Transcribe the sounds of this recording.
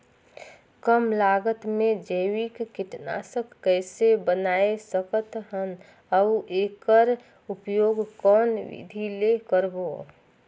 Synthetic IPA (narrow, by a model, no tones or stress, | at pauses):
kəmlaːɡət̪mẽd͡ʒəɪwikːɪʈna̰səkːəɪsebənaːesəkət̪ɦən | əʋeːkəɾ | upjoːɡkɔːnʋḭd̪ʱilekəɾboː